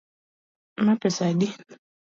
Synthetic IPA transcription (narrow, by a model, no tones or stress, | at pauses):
mapɛsadi